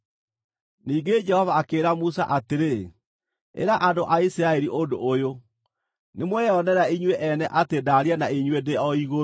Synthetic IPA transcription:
niːɡed͡ʒɛhɔvaːkeːɾamusa̰ʔateɾe | ḛɾaʔadoʔaisiɾaeɾiʔondoːjo | nemwɛɔnɛɾaiɲweʔɛnɛʔatedaɾianaiɲwedeɔiɣo

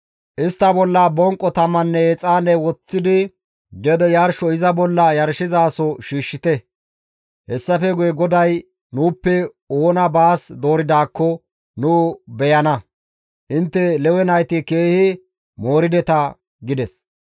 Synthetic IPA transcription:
ʔɪst̪ːɐbɔlːabɔŋkʼːɔt̪ɐmːɐnːɛɛt͡sʼaːnːɛwɔt͡sːɪd̪ɪ | ɡɛd̪ɛjɐɾʃɔɪzɐbɔlːɐjɐɾʃɪzaːsɔʃiːʃːɪt̪ɛ | hɛsːɐfɛɡʊjɛɡɔd̪ɐj | nuːpːɛ | oːnɐbaːsd̪o̞ːɾɪd̪aːkːɔ | nuːbɛjɐnɐ | ʔɪnt̪ːɛlɛwɛnɐjt̪ɪke̞ːhɪ | moːɾɪd̪ɛt̪ɐ | ɡɪd̪ɛs

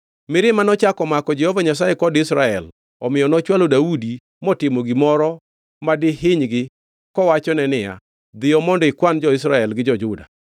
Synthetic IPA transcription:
mɪɾɪmanɔt͡ʃakɔmakɔd͡ʒɛhɔvaɲas̬aɛkɔdɪsɾaɛl | ɔmɪjɔnɔt͡ʃwalodaudi | mɔtɪmoɡimɔɾɔ | madɪɦɪɲɡɪ | kɔwat͡ʃɔnɛnɪja̰ | d̪ɪjɔmɔndɔɪkwand͡ʒɔɪs̬ɾaɛlɡɪd͡ʒɔd͡ʒʊda̰

